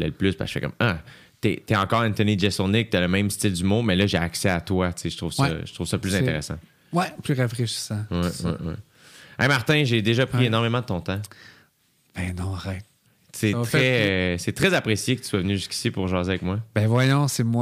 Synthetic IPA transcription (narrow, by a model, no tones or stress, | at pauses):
ɛ̰ləplʏspa̰ʃfɛ̰kʌ̰ma | t̪ɛt̪ɛɑ̃kɑːʁɛ̃nt̪ənid͡ʒɛsɔ̃nɪk̚t̪ɛləmɛ̃ɪmst̪ɪld̪ymɔ̃mɛlʌʒeaksɛat̪wat͡seʒə̥t̪ʁuv̥sʌ̰ʒə̥t̪ʁuv̥sʌplyzɛ̃t̪eʁesã̰ | wɛplyʁafʁeʃi̥sãwɛwɛ̰wɛ̰ | ɛ̰maʁt̪ɛ̃ʒed̪eʒʌpχienɔʁmemɑ̃d̪ət̪ɔ̃t̪ã | b̥ɛ̃nɔ̃ʁɛɪt̪̚ | sett̪χɛsɛt̪χɛzapχesjekət̪y̥swavənyʒyskʲi̥sipʊʁʒɑ̃ːzeavɛkmwabɛ̃vwajɔ̃semw